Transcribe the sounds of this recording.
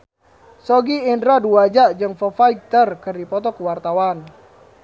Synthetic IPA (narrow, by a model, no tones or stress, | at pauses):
sɔɡiːndɾaduad͡ʒaʔd͡ʒɨŋfɔfaik̚t̪ərkərdipɔt̪ɔkuwart̪awan